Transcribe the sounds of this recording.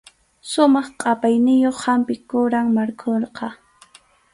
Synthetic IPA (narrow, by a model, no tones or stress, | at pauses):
ʃʊmɑχqʼɑpajnɪjoχhampɪkʊɾaŋmaɾkʰoɾqɑ